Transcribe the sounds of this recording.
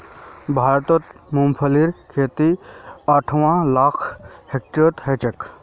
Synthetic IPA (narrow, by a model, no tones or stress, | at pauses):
bʱaːɾt̪ot̪mumpʰəliɾkʰeːt̪iaʈʰʋãlaːkʰhek̚ʈəɾot̪ɦet͡ʃɐk